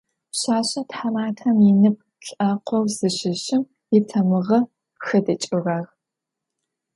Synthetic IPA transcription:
ɕaːɕɐtħamaːtʰɐmjɪnɨp̚ʰ | ɬʼɐqʷʰɔwz̥ɨɕɪɕɪm | ɪtʰɐmɨʁɐ | xɐdɐt͡ʃʼɪraːʁ

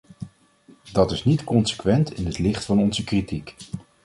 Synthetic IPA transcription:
dɑtɪsnitkɔnsə̥kʋɛntɪnɦətlɪχtfɑnɔnzəkritik

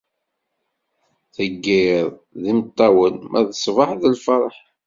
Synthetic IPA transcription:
θəɡːiɾˤðimət̪ˤːɑwənmʔæðəsˤvəħðəlfɑɾˤəħ

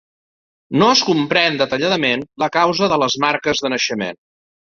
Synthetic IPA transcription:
noəskumpɾɛnd̪ət̪əʎaðəmenləkawzəðələzmaɾkəzðənəʃəmḛn

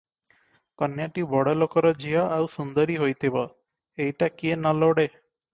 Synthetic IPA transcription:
kɔnjaʈibɔɽɔlokɔɾɔd͡ʒʱiɔʔawsund̪ɔɾiɦojt̪ʰibɔ | ejʈakienaloɽe

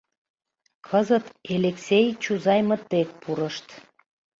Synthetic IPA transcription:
kʰəzət̪eleksʲejt͡ɕuzɑjmə̆t̪ːek̚puɾəʃt̪

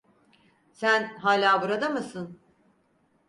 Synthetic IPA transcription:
sænɦaːlʲaːbuɾad̪amɯsɯn

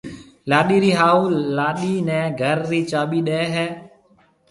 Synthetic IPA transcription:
laːɗiːɾiːɦaːuːlaːɗiːnɛ̃ːɡʱəɾɾiːt͡ʃaːɓiːɗeːɦɛː

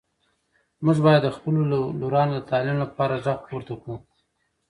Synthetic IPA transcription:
mʊʒbɑjad̪ːəxpəloloɾɑnod̪ət̪ɑlɪmlapɑɾaʒaqpoɾt̪aku

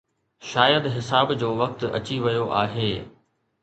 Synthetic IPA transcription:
ʃaːjəd̪ɦɪsaːbd͡ʑoːʋɐk̚t̪ɐ̰t͡ɕiʋɐjoʔaːɦeː

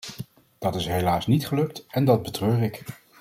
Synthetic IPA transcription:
d̥ɑtɪsɦejlaːsnitχəlɵk̚tɛndɑd̚bətrøːrɪk

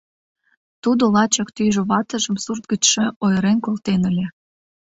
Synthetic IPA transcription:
t̪ud̪olɑt͡ɕɑkt̪yjʒŏβɑt̪ə̆ʒə̆msurt̪̚ɡət͡ɕʃĕojɾenkolt̪enəlʲe

